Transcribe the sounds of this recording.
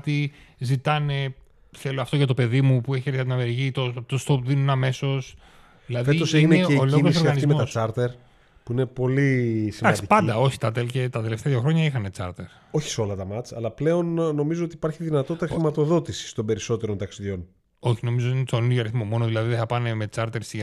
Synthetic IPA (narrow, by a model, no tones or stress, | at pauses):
t̪izit̪ɐne̞ | θe̞loɐft̪o̞ʝɐt̪o̞pe̞ðimupueçieɾθɐt̪inɐmeɾʝit̪ot̪ost̪opðinunɐme̞so̞s | ðilɐðfeiosineeeoloiɣososoɣiɐizimemoɐst͡sɐɾt̪eɾ | puinepo̞lisimɐsi̥pɐnd̪ɐo̞çi̥t̪ɐt̪elce̞t̪ɐt̪e̞left̪eɐðjoxɾo̞ɲɐixɐnet͡sɐɾt̪eɾ | o̞çi̥seo̞lɐt̪ɐmɐt͡sɐ̰lɐple̞o̞nːo̞mizoot̪ipɐɾçiðinɐt̪o̞tt̪ːɐxɾimɐt̪o̞ðo̞t̪isi̥st̪o̞mbe̞ɾiso̞t̪e̞ɾont̪ɐksiðʝo̞n | o̞çino̞mizoinsoninoɐɾiθmomo̞noðilɐðiðeθɐpɐne̞me̞t͡sɐɾt̪e̞ɾsi